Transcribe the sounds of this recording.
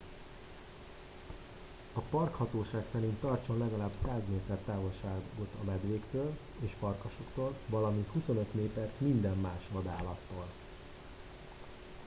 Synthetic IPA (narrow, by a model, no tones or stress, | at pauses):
ɒpɒrkhɒt̪oːʃaːksɛɾint̪ːɒrt͡ʃonlɛɡɒlaːbsaːzmeːt̪ɛrt̪aːvo̞lʃaːɡo̞t̪ɒmɛd̪ʋeːkt̪øːl | eːʃpɒrkoʃo̞kt̪oːlvɒlɒmint̪husonø̞t̪meːt̪ɛrt̪mind̪ɛmːaːʃʋɒd̪aːlɒt̪ːoːl